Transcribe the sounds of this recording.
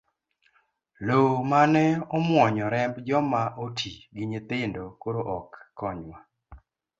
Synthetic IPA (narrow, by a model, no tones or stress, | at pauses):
lomanɛɔmwɔɲɔɾɛmbd͡ʒɔmaʔotʰiɡiɲet̪ɪndokoɾoʔɔkːɔɲwa